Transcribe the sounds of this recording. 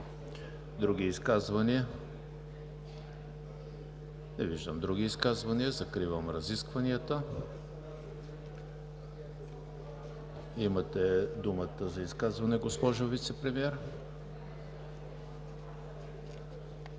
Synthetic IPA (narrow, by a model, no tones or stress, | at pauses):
d̪ɾuɡ̟iːskazvɐniə | nɛviʒd̪əmd̪ɾuɡ̟iːskazvɐniəzɐkɾivəmɾɐziskvɐniət̪ə | imət̪ɛd̪umət̪əzɐiskazvɐnɛɡospɔʒovit̪sɛpɾɛmiɛɾ